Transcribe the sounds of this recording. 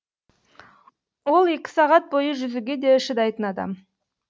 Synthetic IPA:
wo̞lˠe̞kʲɪ̥sɑʁɑt̪̚bo̞jəʒʏzuɡʲe̞d̪e̞ɪʃɪd̪ɑjt̪ənɑd̪ɑ̰m

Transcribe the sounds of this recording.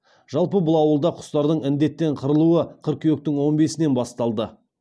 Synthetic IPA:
ʒ̥ɑlˠpəbʊlˠɑwəlˠd̪ɑqʰʊ̥st̪ɑɾd̪əɴɪnd̪e̞t̪ːe̞ɴqʰəɾəlˠuəqʰəɾk̚ʲʰewek̚t̪ɪŋwo̞nbe̞sɪne̞nbɑst̪ɑlˠd̪ə

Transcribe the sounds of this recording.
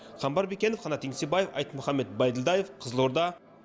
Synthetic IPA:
χɑmbɑɾbekʲenofχɑnɑt̪ʰːeŋsebɑje̞fɑ̰jt̪əmʊχɑmːe̞t̪̚bɑjd̪ɪlˠd̪ɑjefqʰəzəlˠo̞ɾd̪ɑ

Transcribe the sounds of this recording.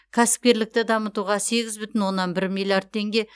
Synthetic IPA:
kʲʰæsɪ̥p̚kʲe̞ɾlɪk̚t̪ɪd̪ɑmət̪uʁɑse̞ɡʲɪzbʏt̪ɪnwo̞nːɑnbɪɾmijlˠjard̪̚t̪ʰːe̞ŋɡʲe̞

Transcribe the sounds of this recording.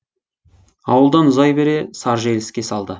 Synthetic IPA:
ɑwəlˠd̪ɑnʊzɑjbe̞ɾe̞sɑɾʒelɪskʲe̞sɑlˠd̪ə

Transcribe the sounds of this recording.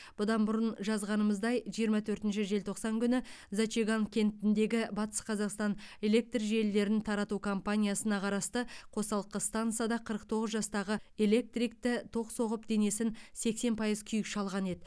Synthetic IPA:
b̥ʊd̪ɑnbʊɾənʒɑzʁɑnəməzd̪ɑjʒijəɾmɑt̪ʰɵɾt̪ɪnʃɪʒe̞lt̪ʰo̞qsɑŋkʲʰʏnɪ | zat͡ʃeɡaŋkʲʰe̞nt̪ɪnd̪e̞ɡʲɪbɑt̪ə̥sqʰɑzɑqst̪ɑne̞le̞k̚t̪rʒe̞lːe̞ɾɪnt̪ʰɑɾɑt̪ukʰo̞mpanʲijasənɑqʰɑɾɑst̪əqʰo̞sɑlˠəqːəst̪ant̪sɨjad̪ɑqʰəɾəq̚t̪ʰo̞ʁəzʒɑst̪ɑʁəe̞le̞k̚t̪rik̚t̪ɪt̪ʰo̞qso̞ʁəp̚d̪e̞ne̞sɪnse̞kse̞npʰɑjəzkʲʰʏjɪkʃɑlˠʁɑne̞d̪ɪ

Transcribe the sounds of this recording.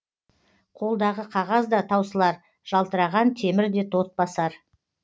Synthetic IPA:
qʰo̞lˠd̪ɑʁəqʰɑʁɑzd̪ɑt̪ʰɑwsəlˠɑɾ | ʒ̥ɑlˠt̪əɾɑʁɑnt̪ʰe̞mɪɾd̪e̞t̪ʰo̞t̪̚bɑsɑɾ

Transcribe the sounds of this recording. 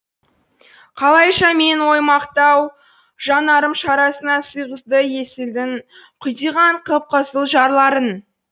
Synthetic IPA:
qʰɑlˠɑjʃɑme̞nwo̞jmɑqt̪ɑw | ʒ̥ɑnɑɾəmʃɑɾɑsənɑsəjʁəzd̪əje̞sɪld̪ɪn | qʰʊjt̪ijʁɑɴqʰəp̚qʰəsəlˠʒɑɾlˠɑɾən

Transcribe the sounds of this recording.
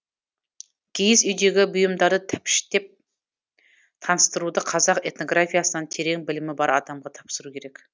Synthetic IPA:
kʲʰejɪsʏjd̪e̞ɡʲɪbʊjəmd̪ɑɾd̪ət̪ʰɪpʃɪ̥t̪e̞p̚ | t̪ʰɑnəst̪əɾud̪əqʰɑzɑqe̞t̪no̞ɡɾafʲijasənənt̪ʰe̞ɾe̞ŋbɪlɪmɪbɑɾɑd̪ɑmʁɑt̪ʰɑpsəɾukʲʰe̞ɾe̞k

